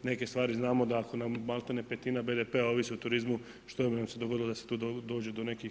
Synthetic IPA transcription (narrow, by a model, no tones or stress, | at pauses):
ne̞ke̞st̪ʋaːɾiznaːmo̞d̪aːko̞namːalˠt̪anepet̪inabe̞d̪epeao̞ʋisiut̪uɾizmu | ʃt̪ominamse̞d̪oɡo̞d̪ilo̞d̪ase̞̥t̪uːd̪d̪o̞ːd͡ʑed̪o̞ne̞ki